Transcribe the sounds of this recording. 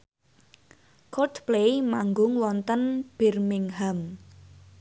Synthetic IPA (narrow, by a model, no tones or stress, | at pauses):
kɔdplemaŋɡʊŋwɔnt̪ənb̥ɛrmɪŋɦam